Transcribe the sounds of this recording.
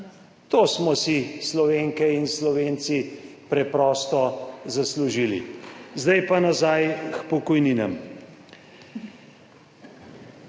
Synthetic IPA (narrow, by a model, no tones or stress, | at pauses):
t̪oːsmɔsislɔʋeːŋkɛinslɔʋeːnt̪sipɾɛpɾɔːst̪ɔzasluʒilḭzd̪ajpanazajxpɔkɔjniːnɛm